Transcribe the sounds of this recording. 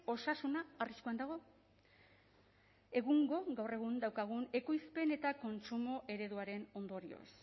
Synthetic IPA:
o̞sasunaːriskuand̪aɣ̞o̞ | e̞ɣuŋɡo̞ɣawre̞ɣ̞und̪awkaɣ̞une̞kojspe̞ne̞t̪ako̞nsumo̞ʔe̞ɾe̞ð̞uaɾe̞no̞nd̪o̞ɾio̰s

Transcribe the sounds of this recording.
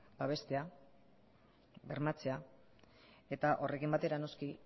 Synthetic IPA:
b̥aβ̞e̞st̪e̞a | βe̞ɾmat͡se̞a | e̞t̪aʔo̞rʔe̞kimbat̪e̞ɾano̞ski

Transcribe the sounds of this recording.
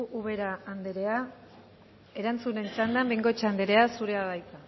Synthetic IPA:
ʔuβe̞ɾaːnd̪eɾe̞a | e̞ɾant͡sune̞nisand̪ambeŋɡo̞t͡ʃand̪eɾe̞asuɾe̞aðajt͡s̪a

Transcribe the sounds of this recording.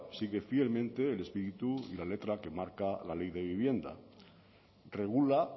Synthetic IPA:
siɣe̞fielmẽnt̪e̞ːle̞spiɾit̪uḭlalet̪ɾake̞maɾkalalejðe̞β̞iβ̞je̞nd̪a̰ | reɣ̞ula

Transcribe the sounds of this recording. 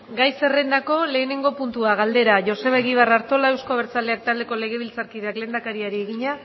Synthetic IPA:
ɡajse̞re̞nd̪ako̞le̞ːne̞ŋɡo̞punt̪uaɣald̪e̞ɾaʝo̞se̞βaeɣiβ̞araɾt̪o̞lae̞wsko̞βeɾt͡sale̞ak̚t̪ald̪e̞ko̞le̞ɣ̞e̞β̞ilt͡saɾkiðe̞akle̞ːnd̪akaɾiaɾieɣ̞iɲa

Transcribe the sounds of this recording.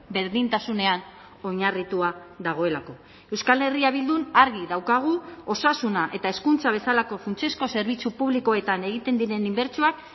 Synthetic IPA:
be̞ɾðint̪asune̞an | o̞ɲarit̪uaðaɣ̞o̞e̞lako̞ | e̞wskale̞riaβ̞ild̪unaɾɣiðawkaɣ̞uo̞sasunaʔe̞t̪ae̞skunt͡saβ̞e̞salako̞funt͡se̞sko̞se̞ɾβ̞it͡supuβliko̞e̞t̪ane̞ɣ̞it̪e̞nd̪iɾe̞nimbe̞ɾt͡suak

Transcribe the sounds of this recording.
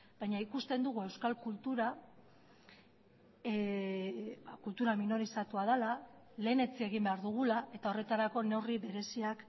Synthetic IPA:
bajɲaikust̪e̞nd̪uɣ̞ue̞wskalkult̪uɾa | kult̪uɾaminoɾisat̪uaðela | le̞ːne̞t͡sie̞ɣ̞imbe̞aɾðuɣ̞ulaʔe̞t̪aore̞t̪aɾako̞ne̞wriβe̞ɾe̞siak

